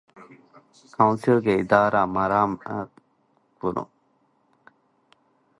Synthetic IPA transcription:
kʰãwnsilɡeid̪aːɾaːmaɾaːm | kunʔṵ̃

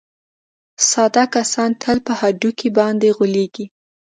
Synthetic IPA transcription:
sɑd̪akasɑnt̪ʰəlpəhaɖukʰibɑnd̪eɣoleɡi

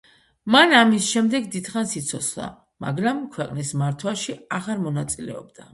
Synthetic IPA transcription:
manamisʃɛmd̪ɛɡd̪id̪χansit̪sʰɔsʰlˠa̰ | ma̰ɡɾamkʰwɛqʼnismaɾt̪ʰwaʃiaʁaɾmɔnat̪sʼilɛ̰ɔ̰b̚d̪a

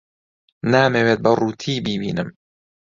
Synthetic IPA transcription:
naːmeweːt̪̚bɐruːt̪ʰiːbiːbiːnɨ̰m

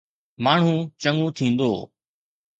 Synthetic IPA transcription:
maːɳ̤ũːt͡ɕəŋũt̪ʰĩːnd̪o̰ː

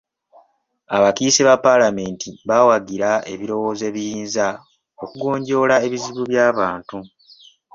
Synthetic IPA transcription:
aβakiːseβapːalame̞ːntiβawaɡiɾae̞̰βiɾo̞wo̞ːze̞βijiːnza | okuɡo̞ːɲɟo̞ːlae̞βiziβuβjaːβaːntu

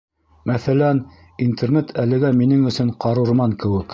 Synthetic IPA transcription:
mæθælæn | int̪ʰernet̪ʰælɘ̆ɡæminɘŋɵ̆sɵɴqɑɾɤ̆ɾmɑŋkɘ̆wɘk

